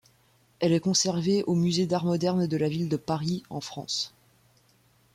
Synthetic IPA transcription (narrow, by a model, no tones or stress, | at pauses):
ɛlɛkɔ̃sɛʁveʔomyzed̪aʁmɔd̪ɛʁnd̪əlavild̪əpaʁiɑ̰̃fχɑ̰̃s